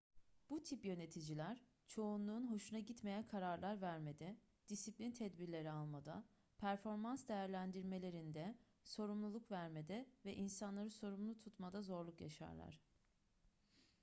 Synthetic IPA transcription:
b̥ut̪ʰipjø̞ne̞t̪ʰid͡ʒilʲæɾ̥ | t͡ʃʰo̞unlˠuːnɦo̞ʃunaɟit̪me̞jænkʰaɾaɾlˠaɾvæɾme̞d̪ɛ | d̪̥isiplʲint̪ʰɛd̪biɾlʲe̞ɾialˠmad̪a̰ | pʰæɾfo̞ɾmansd̪e̞jæɾlʲænd̪iɾme̞lʲe̞ɾind̪ɛ | so̞ɾumlˠulˠukvæɾme̞d̪ɛvɛʔinsanlˠaɾɯso̞ɾumlˠut̪ʰut̪mad̪azo̞ɾlˠukja̰ʃa̰ɾlˠa̰ɾ̥

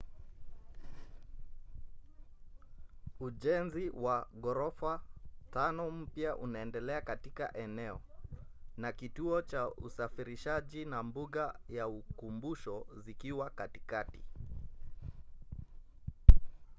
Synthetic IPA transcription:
uʄɛnziwaɡɔɾɔfatanɔm̩pjaʔunaɛndɛlɛakatika̰ʔɛnɛɔ | nakituɔt͡ʃaṵsafiɾiʃaʄinambuɠajaukumbuʃɔzikiwakatikati̥

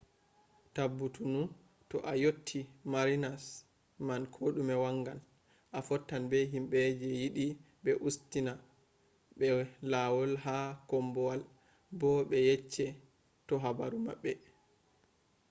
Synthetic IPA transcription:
tabːutunu | tɔʔajotʰːimaɾinas | mankʰoɗumɛwaŋɡan | ʔafɔtːanbɛɦimɓɛd͡ʒɛjiɗi | ɓɛʔustina | ɓɛlawɔlɦakɔmbɔwal | bɔɓɛjɛt͡ʃːɛ | tɔɦabaɾuma̰ɓːɛ

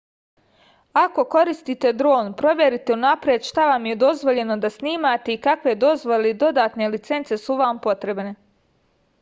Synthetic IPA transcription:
ako̞ko̞ɾist̪it̪e̞d̪ɾo̞ːnpɾo̞ʋje̞ɾit̪e̞unapɾjed̪ʃt̪aʋamje̞d̪o̞zʋo̞ʎe̞no̞d̪asniːmat̪e̞ikakʋe̞d̪o̞zʋoled̪o̞d̪aːt̪ne̞lit̪se̞nt̪se̞suʋaːmpo̞t̪ɾe̞bne̞

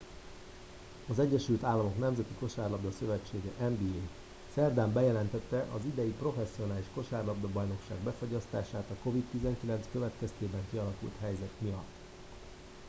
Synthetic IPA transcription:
ɒzɛɟːɛʃylt̪aːlːɒmo̞knɛmzɛt̪iko̞ʃaːrlɒbd̪ɒsø̞vɛt͡ʃːeːɡɛʔɛmbiːeː | sɛrd̪aːmbɛjɛlɛnt̪ɛt̪ːɛʔɒzid̪ɛjipro̞fɛsːio̞naːliʃko̞ʃaːrlɒbd̪ɒbɒjno̞kʃa̰ːɡbɛfo̞ɟɒst̪a̰ːʃaːt̪ɒko̞vit̪t̪ːizɛŋkilɛnt̪skø̞vɛt̪kɛst̪eːbɛŋkiɒlɒkṵlt̪hɦɛjzɛt̪mijɒt̪ː

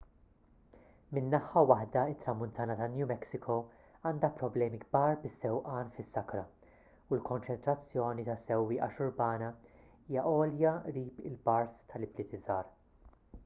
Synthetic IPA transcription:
mɪnːɐħɐwɐħd̪ɐɪt̪ːɾɐmːʊnt̪ʰɐːnɐt̪ɐlnjuːmɛksɪkʰow | ɐːnd̪ɐpɾɔblɛːmiɡbɐːɾbɪsːɛwʔɐːnfɪsːɐkɾɐ | ulkɔnt͡ʃɛnt̪ɾɐt͡sːjɔːnit̪ɐsɛwːiːʔɐʃʊɾbɐːnɐ | iːjɐʔɔːljɐɾiːpɪlbɐɾst̪ʰɐlɪblɪːt̪ɪzɐːɾ

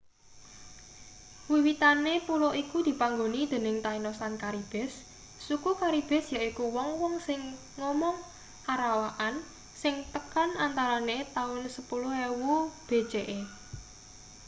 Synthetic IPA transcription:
wiwit̪anepuloʔikud̪̥i̤paŋɡonid̪̥e̤nɪŋt̪ainɔsankaɾib̥ɛ̤sː | ukukaɾib̥ɛ̤sjaikuwɔŋwɔŋsɪŋː | ɔmɔŋ | aɾawaʔan | sɪŋt̪əkanant̪aɾanet̪aʊnsəpulʊewub̥e̤d̥ʒ̥eʔe

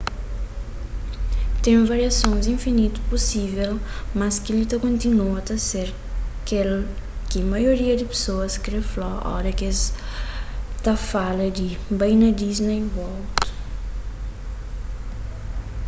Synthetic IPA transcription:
t̪ẽj̃vaɾiɐsõzĩfinit̪u̥posivɛlmɐskilit̪ɐkõnt̪inuɐt̪ɐseɾ | kel | kɪmɐjoɾiɐd̪ɪpe̥soɐskɾeflɔɔ̰ɾɐks | t̪ɐfalɐd̪ɪbɐ̃jnɐd̪iznejvɔlt̪u̥

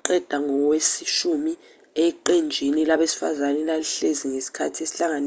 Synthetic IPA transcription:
ǃɛd̥ʱaŋɔwesiʃumi | ɛǃend͡ʒʱinilaɓesi̥fa̰zanɛlaliɬeziŋesi̥kʰatʰiesiɬaŋan

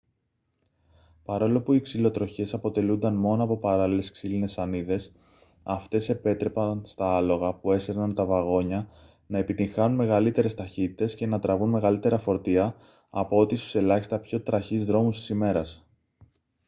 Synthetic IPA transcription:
pɐɾo̞lo̞puiksilo̞t̪ɾo̞çe̞sɐpo̞t̪e̞lund̪ɐnmo̞noɐpo̞pɐɾɐlile̞sksiline̞sɐniðe̞s | ɐft̪e̞se̞pe̞t̪ɾe̞pɐnst̪ɐɐlo̞ɣɐpue̞seɾnɐnt̪ɐvɐɣo̞ɲɐ | nɐe̞pit̪iŋxɐnunme̞ɣɐlit̪e̞ɾe̞st̪ɐçit̪it̪e̞sce̞nɐt̪ɾɐvunme̞ɣɐlit̪e̞ɾɐfo̞ɾt̪iɐ | ɐpo̞o̞t̪ist̪u̥se̞lɐçi̥st̪ɐpço̞t̪ɾɐçizðɾo̞must̪i̥sime̞ɾɐs

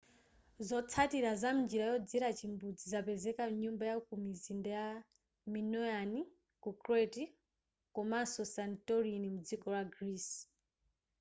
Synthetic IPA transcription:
zɔt͡sʰatiɾazam̩nd͡ʒiɾajɔd͡ziɾat͡ʃimbud͡zizapɛzɛkamɲumbajaukumizindaja | minɔjani | kukɾɛti | kɔmasɔsantɔɾinimud͡zikɔlaɡɾis

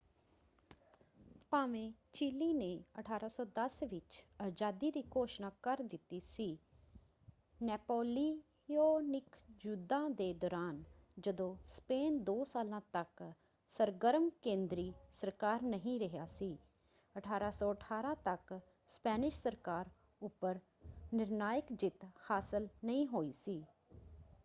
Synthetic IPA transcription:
paːʋẽːt͡ʃiːliːneːəʈʰaːɾaːsɔːd̪əsʋɪt͡ʃəd͡ʒaːd̪iːd̪iːkoːʃnaːkəɾd̪ɪt̪ːiːsiː | nɛːpoːliː | joːnɪkʰd͡ʒʊd̪ãːd̪eːd̪ɔːɾaːnd͡ʒəd̪õːspeːnd̪oːsaːlãːt̪ək | səɾɡəɾəmkẽːnd̪ɾiːsəɾkaːɾnəɦĩːɾəɦjaːsiː | əʈʰaːɾaːsɔːəʈʰaːɾãːt̪ək | spɛːnɪʃsəɾkaːɾ | ʊpːəɾ | nɪɾnaːjɪkd͡ʒɪt̪haːsəlnəĩːɦoːiːsiː

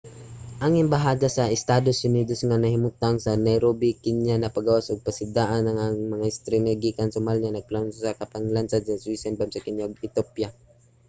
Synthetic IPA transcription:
ʔaŋɪmbaɦaːd̪asɐʔɛst̪aːd̪osʊniːd̪osŋanɐhɪmʊt̪aŋsɐnɛjɾobikɪɲanɐpaɡawasʔoɡ̚pasɪd̪aːʔanɐŋaŋmɐŋaɪst̪ɾɪmɛɡikansʊmalɲanɐɡ̚plansosakɐpaŋlansad̪̚sɐswisanbamsɐkɪɲjaɡɪt̪opja

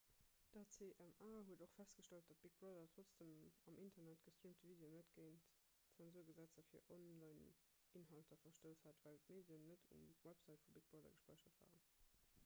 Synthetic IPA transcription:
d̥ɑt͡seːʔæmaːɦuədoχfæstɡ̥əʃtɑlt̚d̥ɑt̚b̥ik̚b̥ʁɑdɐtʁot͡sd̥əmɑmʔintʰɐnætɡ̥əstʁiːmtʰəviːdeonətɡ̥əɪnt | t͡sænzuːɐɡəzæt͡sɐfiːɐʔonlɑɪn | inɦɑltʰɐfɐʃtəʊthatvæltmeːdjənnːədṵmwæpz̥ɑɪtfubik̚b̥ʁɑdɐ̰ɡəʃpɑɪʃɐtv̥a̰ːʁən

